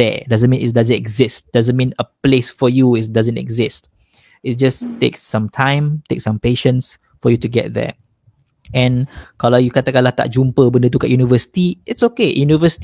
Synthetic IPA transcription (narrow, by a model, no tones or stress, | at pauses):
ɛ̰dazə̃nmĩnɪ̰tdazə̃ntɛɡzɪst̚d̥azə̃nmĩnəplesfɔjuɪtdazə̃ntɛ̰ɡzɪst̚ | ɪt̚d͡ʒastḛksːãmtʰãɪ̃mtek̚sãmpeʃə̃ns | fɔjutuɡɛt̚ðɛ̰ | ɛ̃nkalaʊjukat̪akalaht̪a̰ʔ̚d͡ʒũmpəbə̃ndət̪ukaʔjunivəsi̥tiɪtsokejunivəsi̥t